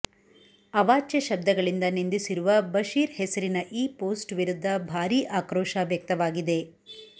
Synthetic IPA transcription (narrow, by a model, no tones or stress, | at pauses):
ɐʋaːt͡ʃjɐʃɐb̚d̪ʱɐɡɐɭind̪ɐnind̪isiɾuʋɐbɐʃiːɾhesɐɾinɐʔiːpoːsʈʋiɾud̪ʱːɐbʱaːɾiːʔaːkɾɔːʃɐʋjɐk̚t̪ɐʋaːɡid̪e̞